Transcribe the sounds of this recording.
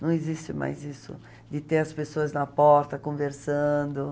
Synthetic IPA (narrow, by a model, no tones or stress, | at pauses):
nɐ̃w̃ɪzist͡ʃɪma̰jzisʊ̰ | d̪ɪt̪eɾɐspesoɐznɐpɔɾt̪ɐkõveɾsɐ̃nd̪ʊ